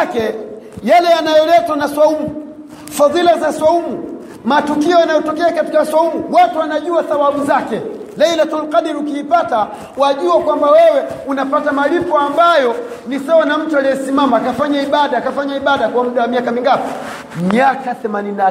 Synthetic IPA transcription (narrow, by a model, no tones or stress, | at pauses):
kɛ | jalɛjanajɔlɛtwanaswaumu | faðilazaswaumu | matukiɔjanajɔtɔkɛakatikaswaumuwatuwanaʄuasawaɓuzakɛ | lailatɔlqaɗiɾukiːpata | waʄuakwambawɛwɛunapatamalipɔambajɔ | nisaɔnam̩tualijɔsimamaːkafaɲaiɓaɗaːkafaɲaiɓaɗakwamuɗawamiakamiŋɡapi̥ | miakaθɛmanina